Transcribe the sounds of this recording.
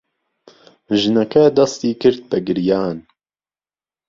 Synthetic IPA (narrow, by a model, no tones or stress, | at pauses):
ʒɨnɛkɛd̪ɑst̪iːkɨɾt̪̚pɛɡɨɾjaːn